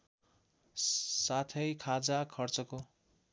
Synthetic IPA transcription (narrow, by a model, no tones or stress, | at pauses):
sat̪ʰʌjkʰad͡zakʰʌrt͡sʌko